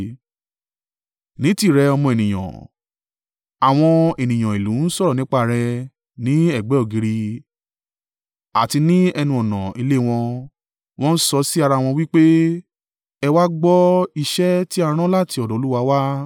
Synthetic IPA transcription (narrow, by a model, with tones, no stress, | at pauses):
nĩ˨˦ti˦˨ɾɛ˧ɔ˧mɔ̃˧e˨nĩ˨j̃ã̰˨ | a˨w̃ɔ̃˧e˨nĩ˨j̃ã˨i˨lũ˨˦n̩˦sɔ˦ɾɔ˨nĩ˨˦k͡pa˧˨ɾɛ˧ | nĩ˨˦ɛ˦˨ɡ͡bɛ˨˦ɔ˦˨ɡi˧ɾi˧ | a̰˨ti˧nĩ˦ɛ˧nũ˧ɔ˨nã˨i˧le˦˨w̃ɔ̃˧ | w̃ɔ̃˦n̩˦sɔ˧si˦a˧ɾa˧˨w̃ɔ̃˧wi˦k͡pe˦ | ɛ˧wa˦ɡ͡bɔ˦i˧ʃɛ˦ti˦a˧ɾ̃ã˦la˦˨ti˧ɔ˨dɔ˨˦u˦wa˧wa˦